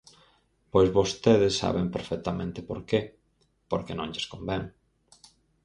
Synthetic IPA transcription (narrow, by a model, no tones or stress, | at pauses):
pojzβost̪eðɪsːa̰βempeɾfɛk̚t̪amẽnt̪ɪpo̰ɾke | poɾkenõŋʎeskombɛŋ